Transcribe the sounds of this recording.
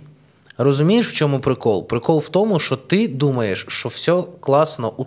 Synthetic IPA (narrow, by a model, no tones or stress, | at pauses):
rɔzʊmʲijeʃwt͡ʃɔmʊpɾɪkɔlˠpɾɪkɔlˠwt̪ɔmʊʃt͡ʃɔt̪ɪd̪umɐjeʃt͡ʃɔwsʲɔklˠɑsnɔʔu